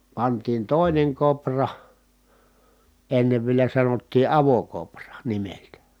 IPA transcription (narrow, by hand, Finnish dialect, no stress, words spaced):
pɑntiːn toˑineŋ koprɑ enːeʋ ʋielæ sɑnotːiː ɑʋokoprɑ nimeltæ